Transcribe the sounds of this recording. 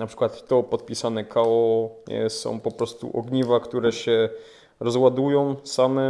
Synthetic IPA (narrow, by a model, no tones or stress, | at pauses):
napʂɘ̥kwat̪ːɔpɔt̪̚pʲisanɛkʰawɔɛ̰sɔ̰̃w̃pɔpɾɔst̪ṵʔɔɡɲivakt̪uɾɛɕɛ | ɾɔzwad̪ujɔ̃w̃samɛ